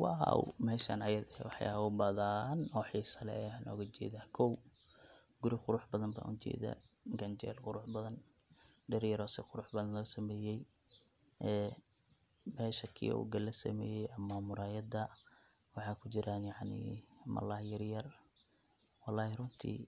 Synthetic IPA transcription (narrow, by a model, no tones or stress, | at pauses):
wɑɦa̰wmɛːʃɐnɐjɐðɛwɑħɑjaʊbɐðaːnɔħiːsɐlɛ̰nʔɔ̰ːɣɐt͡ʃɛ̰ːðaːkʰɔw | ɡ̥ʊɾɪqʊɾʊħbɐðɐmba̰ːʔʊt͡ʃɛ̰ːða̰ɡɐnt͡ʃɛ̰lqʊɾʊħbɐðɐn | ɖɛɾjɐɾɔːsɪqʊɾʊħbɐðɐnlɔːsɐmɛːjɛj | ʔɛː | mɛːʃɐkʰḭːṵːɡɐlɐsɐ̰mɛ̰ːjɛjʔɐmːaːmʊɾaːjɐd̪ɐ | wɑħɑːkʰʊt͡ʃɪɾʔaːnjɑʕnḭːmɐ̰laːjɐɾjɐr | wɑlːɑːhɪrʊnt̪ʰḭː